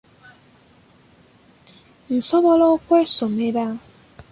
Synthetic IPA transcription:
n̩sɔbɔlɔkʷesomeɾa

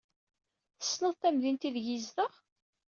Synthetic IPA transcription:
θə̥sːnəðˤt̪æmðint̪iðʝizðəʁ

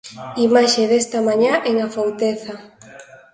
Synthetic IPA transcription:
imaʃeðest̪amãɲaʔeŋafawt̪eθa

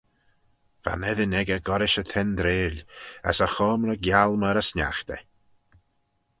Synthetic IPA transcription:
v̥a̰nɛðɪnɛɡəɡɔɾɪʃət̪ʰɛnd̪ɾeːlə̰səxɔːmɾəɡjalˠməɾəsnʲa̰xt̪ɛ̰

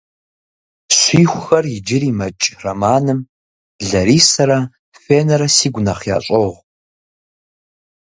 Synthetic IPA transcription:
ɕʷiːxʷʊxɐrjɪd͡ʒɪɾiːmɐt͡ʃʼrɐmaːnɨm | ɮɐɾiːsɐɾɐ | feːnɐɾɐsiːɡʷnɐχja̰ːɕʼoʁ

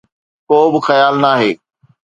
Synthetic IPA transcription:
koːbɪxɐjaːlnaːɦeː

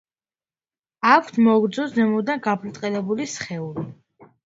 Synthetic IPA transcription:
akʰt̪ʰmɔɡɾd̪zɔszɛmɔd̪anɡapʰlt̪ʼqʼɛlɛbulisχɛuli

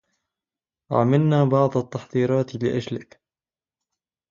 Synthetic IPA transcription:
ʔa̰malnaːbɑʕd̪ˤɑt̪ːɑħðˤiːɾˤɑːt̪lɪʔad͡ʒlɪk

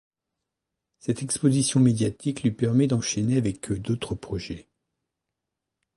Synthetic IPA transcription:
sɛt̪ɛkspozisjɔ̃med̪jat̪iklɥipɛʁmɛd̪ɑ̃ʃɛneavɛkʰød̪ot̪χəpχɔʒɛ

